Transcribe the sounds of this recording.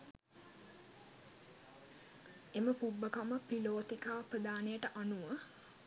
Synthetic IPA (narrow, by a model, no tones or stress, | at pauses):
eməpubːəkaməpiloːt̪ikaːpɾəd̪aːnejəʈəʔanuʋə